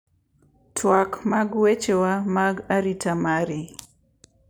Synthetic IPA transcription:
tʰwakmaɡwet͡ʃewamaɡaɾitamaɾi

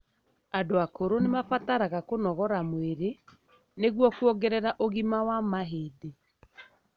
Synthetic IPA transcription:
adoakoɾonemafataɾaɣakonɔɣɔɾamweɾe | neɣwɔkuɔɡɛɾɛɾaʔoɣimawamaɦede

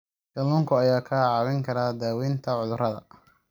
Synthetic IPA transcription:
ɡɐlʊŋkʰʊɐjaːkʰɐːʕɑːβɪŋkʰɐɾaːd̪aːwiːnt̪ʰɐʕʊðʊrɐðɐ̰

